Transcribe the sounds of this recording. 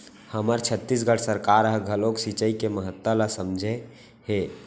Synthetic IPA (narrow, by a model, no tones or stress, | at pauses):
həməɾt͡ʃʰət̪ːis̬ɡəʈʰsəɾkaɾəɦɡʱəloksit͡ʃəikeməɦət̪ːwəlasəmd͡ʒʱe | he